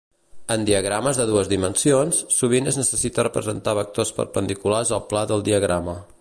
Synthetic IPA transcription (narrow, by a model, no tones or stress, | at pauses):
ənd̪iəɣɾaməzðəðuəzðimənsionsːuβ̞inəznəsəsit̪ərəpɾə̰zənt̪aβək̚t̪ospə̰ɾpənd̪ikularzəlˠplaðəlˠd̪iəɣɾamə